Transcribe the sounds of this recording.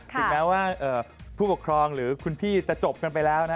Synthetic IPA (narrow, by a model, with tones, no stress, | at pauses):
tʰɯ˩˧˩mɛː˦˥waː˥˩ʔɤː˨˩pʰuː˥˩pkʰɾɔː˧ŋɾɯː˩˦kʰu˧npʰiː˥˩t͡ɕa˨˩t͡ɕo˨˩p̚ka˧np̬a˧jlɛː˦˥wna˦˥